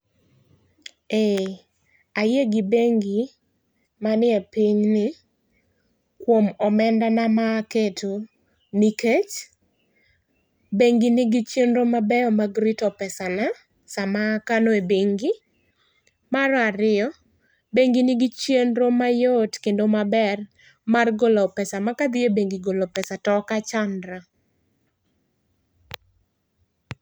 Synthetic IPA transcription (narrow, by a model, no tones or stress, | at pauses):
e | ajeɡɪbeŋɡi | manɪɛpiɲnɪ | kwomɔmɛndanamaketo | niket͡ʃ | beŋɡinɪɡit͡ʃjenɾomabɛɔmaɡɾitɔpɛsana | samakanɔebeŋɡɪ | maɾɔaɾɪjɔ | beŋɡɪnɪɡɪt͡ʃjenɾomajotkendomabɛr | marɡolɔpɛsamakad̪ɪebeŋɡɪɡolopɛsatɔkat͡ʃandɾa